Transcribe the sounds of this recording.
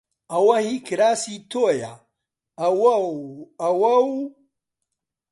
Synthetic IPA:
awahikiɾasit̪oja | ɐwawawɐw

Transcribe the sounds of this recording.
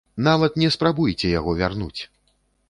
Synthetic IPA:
navɐt̪nʲɛspɾabujt͡sʲɛjaɣɔvʲarnut͡sʲ

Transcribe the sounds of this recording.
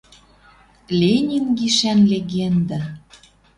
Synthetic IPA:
lʲenʲinɡiʃænlʲeɣend̪æ̆

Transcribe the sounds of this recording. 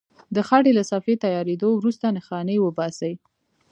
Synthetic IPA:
d̪əxaʈelasɑfet̪ajɑɾed̪owɾust̪anəxɑnəwəbɑsəj

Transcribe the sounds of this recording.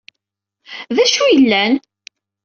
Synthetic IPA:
ðæʃujəlːæn

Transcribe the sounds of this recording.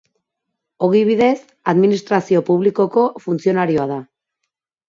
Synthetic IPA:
o̞ɣiβiðe̞s | aðminist̪ɾasio̞puβliko̞ko̞funt͡sio̞naɾio̞aða

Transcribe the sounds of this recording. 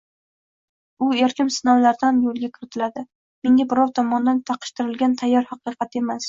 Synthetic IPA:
ʊeɾkʲɪmsɪnɒwlaɾd̪anmjolˠɡʲakʲʰɪɾɪt̪ʰɪlad̪ɪ | meŋɡʲabɪɾɒwt̪ʰɒmɒnd̪ant̪ʰɑqʰɨ̥ʃt̪ʰɪɾɪlɡʲant̪ʰajːɒɾhɑqɨqɑt̪e̞mas

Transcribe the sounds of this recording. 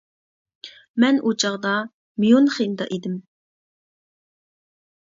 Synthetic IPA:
mɛnʔut͡ʃʰɑʁd̪ɑ | mijonχind̪ɑ̰ʔid̪ɪm

